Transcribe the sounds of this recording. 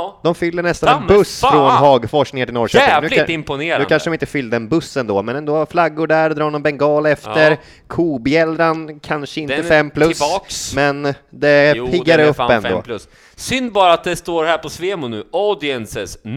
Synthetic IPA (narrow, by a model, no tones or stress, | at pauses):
d̪ɔmfʏlːəɳɛst̪anɛnbɵsːfɾɔnɦɑːɡfɔʂknɪŋatʰɪlɔɾʂɛːɛːʉlɪmpʊneːɾʉːkʰanʂəɖɔmɪnt̪əfʏld̪əɛnbɵsːɛnd̪oːmɛnɛnd̪oːflaɡːʊɖæːɾd̪ɾɑːnɔmbɛŋɡɑːlɛft̪əɾ | kʰuːbɪɛld̪ɾankʰanʂəɪnt̪əfɛmːpʰlɵsksmɛnd̪ɛpːʰɪɡːaɾəɵpːɛnd̪o̰ːs | sʏnd̪bɑːɾaat̪̚d̪ɛst̪oːɾhæːɾpʰɔsveːmʊnʉ̟ːʔɑd̪ɪɛnsɛs